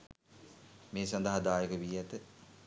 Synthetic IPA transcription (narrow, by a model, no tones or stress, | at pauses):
meːsand̪əɦad̪aːjəkəʋiæt̪ə